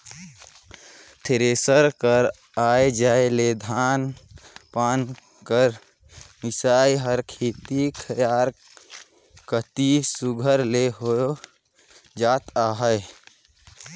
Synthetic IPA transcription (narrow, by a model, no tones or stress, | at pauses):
t̪ʰeɾesəɾkəɾ | aːed͡ʒaːeled̪ʱaːnpaːn | kəɾ | mɪsaːjɦəɾkʰeːt̪ikʰəjaːɾ | kət̪isuɡʱəɾleɦo | d͡ʒaːt̪aːɦəj